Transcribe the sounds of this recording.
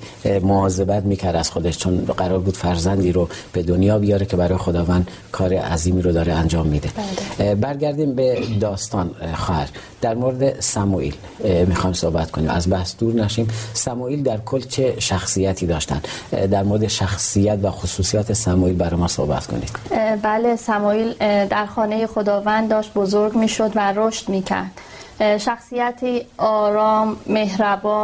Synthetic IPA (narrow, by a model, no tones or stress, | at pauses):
moɒːze̞bæt̪miːcʰæɾd̪æz̥xo̞d̪eʃt͡ʃʰonɢæɾɒːɾbuːd̪̥fæɾzænd̪iːɾob̥e̞d̪o̞njɒːbijɒːɾecʰe̞bæɾɒːjexo̞d̪ɒːvænd̪ | kʰɒːɾeʔæziːmiːɾod̪ɒːɾeænd͡ʒɒːmːiːd̪ebæɾɡæɾd̪iːmbed̪ɒːst̪ʰɒːnxɒːhæɾ | d̪̥æɾmoɾed̪esæmuʔḭl | miːxɒːjmso̞hbæt̪ko̞niːmʔæ̰zbæhsd̪uːɾnæʃiːmsæmuːiːld̪æɾkʰolːt͡ʃʰeʃæxsijæt̪ʰiːd̪ɒːʃt̪æ̰nd̪d̪æɾmoɾed̪eʃæxsijæt̪væxosuːsijɒːt̪ʰesæmuiːlbæɾɒjmɒso̞̰hbæt̪kʰo̰nḭd̪̥bæːlesæmɔːiːld̪æɾxɒːne̞jexo̞d̪ɒːvænd̪d̪ːɒːʃt̪̚bozoɾɡmiːʃod̪væɾoʃt̪miːcʰæ̰ɾd̪̥ | ʃæxsijæt̪ʰiːɒːɾɒːmːe̞ɦɾæbɒː